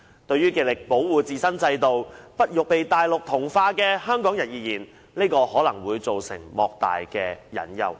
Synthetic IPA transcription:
t̪ɵ˧ɥyː˥kiː˨˩lɪ˨k̚po˨˥wwuː˨t͡siː˨sɐ˥nt͡sɐ˧jt̪o˨wpɐ˥t̚jʊ˨k̚pe˨jt̪aː˨jlʊ˨k̚t̪ʰʊ˨˩ŋfaː˧kɛː˧hœː˥ŋkɔː˨˥ŋjɐ˨˩n̚jiː˨jiː˨˩n | neː˥jkɔː˧hɔː˨˥lɐ˨˩ŋwuː˨˧jt͡so˨wsɪ̰˨˩ŋmɔː˨˧k̚t̪a̰ː˨jkɛː˧jɐ̰˨˩njɐ̰˨˩w

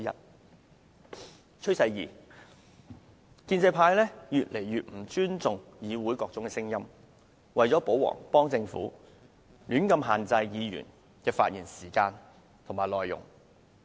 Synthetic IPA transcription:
ɐ̰˥t̚ | t͡ʃʰɵ˥sɐ˧jjḭː˨˩ | kiː˧nt͡sɐ˧jpʰaː˧jlɛː˥jyː˨t̚le˨˩jɥyː˨t̚m̩˨˩t͡ʃyː˥nt͡sʊ˨ŋjiː˨˧wuː˨˥jkɔː˧k̚t͡sʊ˨˥ŋkɛː˧sɪ˥ŋjɐ˥m | wɐ˨jt͡sɔː˨˥po˨˥wɔ̰ː˨˩ŋpɔː˥ŋt͡sɪ˧ŋfṵː˨˥ | lyː˨˥nkɐ˧mɦaː˨nt͡sɐ˧jjiː˨˧jy̰ː˨˩n | kɛː˧faː˧t̚jiː˨˩nsiː˨˩kaː˧n | t̪ʰʊ˨˩ŋmaː˨˩jlɔː˨jʊ̰˨˩ŋ

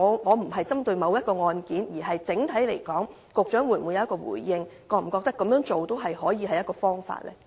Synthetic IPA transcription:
ŋɔː˨˧ŋɔː˨˧m̩˨˩ɦɐ˨jt͡sɐ˥mt̪ɵ˧ɥmɐ˨˧wjɐ˥t̚kɔː˧ŋɔː˧nkiː˨˥njiː˨˩hɐ˨jt͡sɪ˨˥ŋt̪ʰɐ˨˥jle˨˩jkɔː˨˥ŋ | kʊ˨˧k̚t͡ʃœː˨˥ŋwuː˨˧jmu˨˧jɐ˨˧˦ɐ˥kːɔː˧wṵː˨˩jːɪ˧ŋkɔː˧m̩˨˩kɔː˧k̚t̪ɐ˥kːɐ˨˥mjœː˨˥ŋt͡ʃo˨wt̪o˥wɦɐ˨jɦɔː˨˥jiː˨˧ɦɐ˨jɐ˥t̚kɔː˧fɔː˥ŋfa̰ː˧t̚lɛ̰ː˥

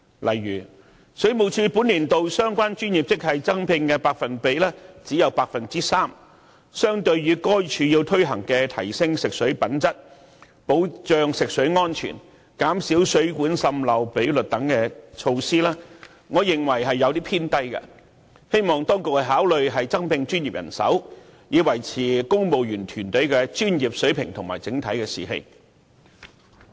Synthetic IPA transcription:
lʔɐ̰˨˩jːyː˨˩ | sɵ˨˥ɥmo˨˩wt͡ʃʰyː˧puː˨˥nliː˨˩nt̪o˨wsœː˥ŋkʷwaː˥nt͡ʃyː˥njiː˨˩p̚t͡sɪ˥k̚hɐ˨jt͡sɐ˥ŋpʰɪ˧ŋkɛː˧paː˧k̚fɐ˨npe˨˧jlɛː˥t͡siː˨˥jɐ˨˧wpaː˧k̚fɐ˨nt͡siː˥saː˥m | sœː˥ŋt̪ɵ˧ɥːyː˨˧kɔː˥jt͡ʃʰyː˧ji˧wt̪ʰɵ˥ɥɦɐ̰˨˩ŋkɛː˧t̪ʰɐ˨˩jsɪ˥ŋsɪ˨k̚sɵ˨˥ɥpɐ˨˥nt͡sɐ˥t̚ | po˨˥wt͡ʃœː˨ŋsɪ˨k̚sɵ˨˥ɥŋɔː˥nt͡ʃʰy̰ː˨˩n | kaː˨˥msiː˨˥wsɵ˨˥ɥkuː˨˥nsɐ˧mlɐ˨˧wpe˨˥jlɵ˨t̚t̪ɐ˨˥ŋkɛː˧t͡ʃʰo˧wsiː˥laː˥ | ŋɔː˨˧jɪ˨˩ŋwɐ˨˩jɦɐ˨jːɐ˨˧wt̪iː˥pʰiː˥nt̪ɐ˥jkɐ̰˧ | he˥jmɔː˨˩ŋt̪ɔː˥ŋkʊ˨k̚kɛ˧ɦaː˨˥wlɵ˨ɥɦɐ˨jt͡sɐ˥ŋpɪ˧ŋt͡ʃyː˥njiː˨p̚jɐ̰˨˩nsɐ̰˨˥wjiː˨˧wɐ˨˩jt͡sʰiː˨˩kʊ˥ŋpo˨wjyː˨˩nt̪ʰyː˨˩nt̪ɵ˨˥ɥkɛː˧t͡ʃyː˥njiː˨p̚sɵ˨˥ɥpʰɪ˨˩ŋt̪ʰʊ˨˩ŋmaː˨˩jt͡sɪ˨˥ŋt̪ʰɐ˨˥jkɛː˧sḭː˨˩hḛ˧j

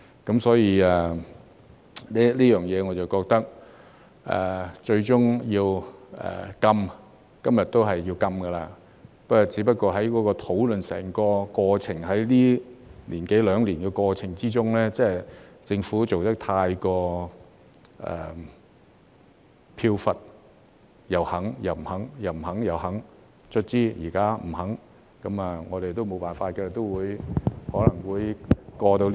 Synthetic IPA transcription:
kɐ˨˥msɔː˨˥jiː˧ɛ˨˩ | li˥liː˥jœː˨ŋjɛː˨˧ŋɔ˨˧t͡sɐ˨wkɔː˧k̚t̪ɐ˥k̚ | ʔɛ̰ː˨˩t͡ʃɵ˧ɥt͡ʃʊ˥ŋjiː˧wɛ̰ː˨kɐ˧m | kɐ˥mjɐ˨t̚t̪o˥wɦɐ˨jːiː˧wkɐ˧mɡɐ˧laː˧ | pɐ˥kɔː˨t͡siː˨˥pɐ˥t̚kːɔː˧ɦɐ˨˥jkɔː˨˧˥kɔː˧t̪ʰo˨˥wlɵ˨nsɛ̰ː˨˩ŋkɔː˧kɔː˧t͡sʰɪ˨˩ŋɦɐ˨˥jliː˥liː˨˩nke˨˥jlœː˨˧ŋliː˨˩nɡɛ˧kɔː˧t͡sʰɪ˨˩ŋt͡siː˥t͡sʊ˥ŋlɛː˥t͡sɛː˥t͡sɪ˧ŋfuː˨˥t͡so˨wt̪ɐ˥k̚t̪ʰaː˧jkɔː˧ | ʔɛ̰˨ | pʰiː˧wfɐ˨t̚ | jɐ˨˩whɐ˨˥ŋjɐ˨˩wm̩˨˩hɐ˨˥ŋjɐ˨˩wm̩˨˩hɐ˨˥ŋjɐ˨˩wɦɐ˨˥ŋ | t͡sʰɵ˥t̚t͡siː˥jiː˨˩kaː˥m̩˨˩hɐ˨˥ŋ | kɐ˨˥mɐ˨ŋɔː˨˧ɾe˨jt̪o˥wmo˨˧wpaː˨˩nfaː˧t̚kɛ˧t̪o˥wwuː˨˧jhɔː˨˥lɐ˨˩ŋwuː˨˧jkɔː˧t̪o˧w

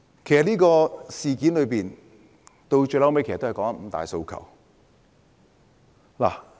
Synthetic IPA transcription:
kʰe˨˩jsɐ˨˩niː˥kɔː˧siː˨kiː˨˥nlɵ˨˧piː˨n | t̪o˧wt͡ʃɵ˧lɐ˨˥wme˧˥kʰe˨˩˨t̪ːkɔː˨˥ŋɐ˥m̩˨˥t̪a̰ː˨jso˧wkʰɐ̰˨˩w | la̰ː˨˩

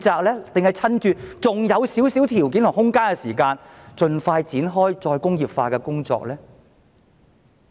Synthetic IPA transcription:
t͡saː˨˧k̚lɛː˥t̪e˨ŋhɐ˨jt͡sʰɐ˥nt͡ʃyː˧t͡sʊ˨ŋjɐ˨˧wsiː˨˥wsi˨˥wt̪ʰiː˨˩wkiː˨˥nt̪ʰʊ˨˩ŋhʊ˥ŋkaː˥nkɛː˧siː˨˩kaː˧n | t͡ʃɵ˨˧nfaː˧jt͡siː˨˥nɦɔː˥jt͡sɔː˧jkʊ˥ŋjiː˨pfaː˧kɛː˧kʊ˥ŋt͡sɔ̰ː˧k̚lɛː˥

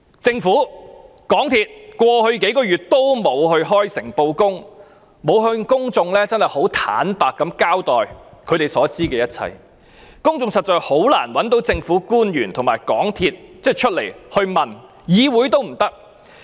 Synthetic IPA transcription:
t͡sɪ˧ŋfuː˨˥ | kɔː˨˥ŋt̪ʰiː˧t̚kʷwɔː˧hɵ˧ɥke˨˥jkɔː˧jyː˨t̚t̪o˥wmo˨˧wɦɵ˧ɥɦɔː˥jsɪ˨˩ŋpo˧wkʊ˥ŋ | mo˨˧wɦɵ˧kʊ˥ŋt͡sʊ˧ŋlɛː˥t͡sɐ˥nhɐ˨˩jho˨˥wt̪ʰa̰ː˨˥npaː˨kːɐ˨˥mkaː˥wt̪ɔː˨jkʰɵ˨˧ɥɾe˨jsɔː˨˥t͡siː˥kɛː˧jɐ˥t̚t͡sʰɐ̰˧j | kʊ˥ŋt͡sʊ˧ŋsɐ˨t̚t͡sɔː˨˧jho˨˥wla̰ː˨˩nwɐ˨˥nt̪o˨˥wt͡sɪ˧ŋfuː˨˥kuː˥njyː˨˩nt̪ʰʊ˨˩ŋmaː˨˩jkɔ̰ː˨˥ŋt̪ʰiː˧t̚t͡sɛː˥t͡ʃʰɵ˥t̚le˨˩jhɵ˧ɥmɐ˨n | jiː˨˧wuː˨˥jt̪̬o˥wm̩˨˩t̪ɐ˥k̚

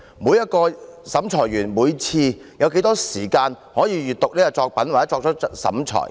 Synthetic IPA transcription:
muː˨˧jɐ˥t̚kɔː˧sɐ˨˥mt͡ʃʰɔː˨˩jɥyː˨˩nmuː˨˧jt͡sʰiː˧jɐ˨˧wk̬e˨˥jt̪ɔː˥siː˨˩kaː˧n | hɔː˨˥jiː˨˧jyː˨t̚t̪ʊ˨k̚liː˥ka˧t͡ʃɔː˧k̚pɐ˨˥nwa˨˩ɛ˨˥t͡ʃɔː˧k̚t͡ʃɔ˨˥sɐ̰˨˥mt͡ʃʰɔ̰ː˨˩j

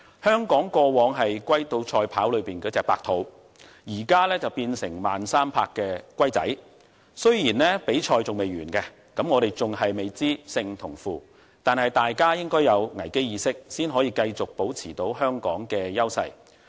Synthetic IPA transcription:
hœː˥ŋkɔː˨˥ŋkɔː˧wɔː˨˧˥ŋɦɐ˨jkʷɐ˥jt̪o˧wt͡ʃʰɔː˧jpʰaː˨˥wlɵ˨˧ɥpiː˨nkɔː˨˥t͡sɛː˧kpa̰ː˧k̚t̪ʰo˨˥w | jiː˨˩kaː˥lɛː˥t͡sɐ˨wpiː˧nsɪ̰˨˩ŋmaː˨nsaː˥mpʰaː˧kːɛː˧kʷɐ˥jt͡sɐ̰˨˥j | sɵ˥ɥjiː˨˩nlɛː˥pe˨˥jt͡ʃʰɔː˧jt͡sʊ˨ŋme˨jɥyː˨˩nkɛ˧ | kɐ˨˥mŋɔː˨˧ɾe˨jt͡sʊ˨ŋɦɐ˨jme˨˩jt͡siː˥sɪ˧ŋt̪ʰʊ˨˩ŋfuː˨ | t̪aː˨nɦɐ˨jt̪aː˨jkaː˥jɪ˥ŋkɔː˥jɐ˨˧wŋɐ˨˩jke˥jiː˨˧sɪ˥k̚siː˥nɦɔː˨˥jiː˧kɐ˧jt͡sʊ˨k̚po˨˥wt͡sʰiː˨˩t̪o˨˥wɦœː˥ŋkɔː˨˥ŋkɛː˧jɐ˥wsɐ̰˧j

